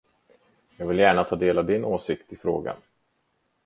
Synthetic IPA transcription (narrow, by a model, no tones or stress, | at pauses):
jɑːɡvɪljæːɳat̪ʰɑːd̪eːlavd̪ɪnːʔoːsɪkt̪ɪfɾo̰ːɡa̰n